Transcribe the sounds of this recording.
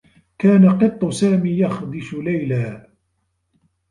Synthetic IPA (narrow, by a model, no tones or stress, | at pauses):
kaːnaqɨt̪ˤːʊsaːmiːjɑxd̪ɪʃʊlajlaː